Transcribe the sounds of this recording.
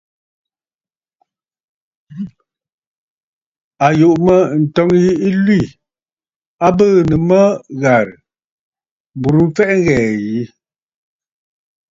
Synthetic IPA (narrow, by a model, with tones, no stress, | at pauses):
a˨ju˨ʔmə˦n̩˨tɔ˦ŋji˦i˦lwi˦˨ | a˦bəː˦˨nə˨mə˦ɣa˨ɾ | bu˨ɾm̩˦fɛ˦ʔŋ˦ɣɛː˨ji˨˦